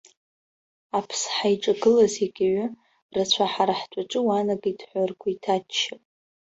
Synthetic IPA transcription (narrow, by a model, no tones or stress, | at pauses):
apʰsħajʈ͡ʂʼaɡɨlazeɡʲaɥʷʊ | rat͡ɕʷʰaħaɾaħtʷʼaʈ͡ʂʼɨwanakʼidħʷarkʷʰaitʰatt͡ʃːɪpʼ